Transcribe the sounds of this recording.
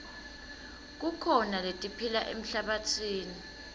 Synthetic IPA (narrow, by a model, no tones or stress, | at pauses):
k̬ukʰɔnaletʼipʰilaʔḛm̩ɬaɓatʰiːni